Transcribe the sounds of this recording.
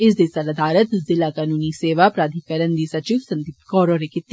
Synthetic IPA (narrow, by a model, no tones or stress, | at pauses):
ɪs̬d̪isɐlɐd̪ʱaːɾət̪zɪlakaːnuːniseːʋapɾaːd̪ʱikəɾənd̪iːsɐt͡ʃiːʋsɐ̃nt̪ipkɔːɾoɾekɪt̪ː